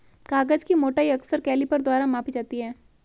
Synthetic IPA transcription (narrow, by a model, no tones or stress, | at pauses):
kaːɡəd͡ʒkimoːʈaːiɐksəɾkɛːlipɐɾd̪ʊwaːɾamaːpid͡ʒaːt̪iɦɛː